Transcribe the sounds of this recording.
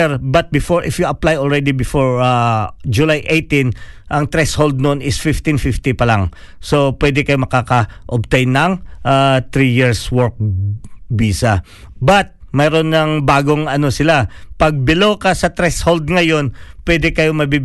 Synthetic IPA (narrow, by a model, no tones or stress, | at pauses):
ɛɾbɐt̪̚bɪfoɹʔɪfjuɐplajʔolɹɛd̪ɪbɪfoɹad͡ʒʊlajʔejt̪ĩnʔɐŋt̪ɾɛshold̪̚nʊʔonɪsfɪft̪infɪft̪ipɐlaŋ | so̞pwɛːd̪ɛkɐjomɐkaːkɐʔob̚t̪ejnːɐŋʔat̪ɾijiɹswɔɹk̚ | biːsɐ | bɐt̪̚mɛːɾonːɐŋbaːɡo̞ŋɐno̞sɪlapɐɡ̚bɪloːkɐsɐt̪ɾɛshold̪̚ŋɐjo̞npwɛd̪ɛkɐjomɐbib